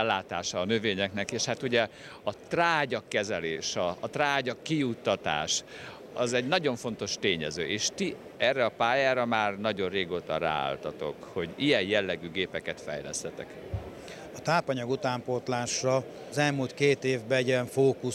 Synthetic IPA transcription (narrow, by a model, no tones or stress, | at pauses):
ɛlːaːt̪aːʃɒːnøveːɲɛknɛkeːʃhat̪uɟɛ | ɒt̪raːɟɒkːɛzɛleːʃɒːt̪raːɟɒkːijut̪ːɒt̪a̰ːʃ | ɒzɛɟnɒɟo̞ɱfo̞nt̪o̞ʃt̪eːɲɛzø̰ːʔeːʃt̪i | ɛrːɛɒpaːjaːɾɒmaːrnɒɟo̞rreːɡoːt̪ɒ̰ɾa̰ːa̰lt̪ɒt̪o̞̰kho̞ɟijɛjjɛlːɛɡyɡeːpɛkɛt̪fɛ̰jlɛ̰st̪ɛt̪ɛ̰k | ɒt̪aːpɒɲɒɡut̪aːmpot̪laːʃrɒː | zɛlmult̪keːt̪eːvbɛɛɟɛɱfoːku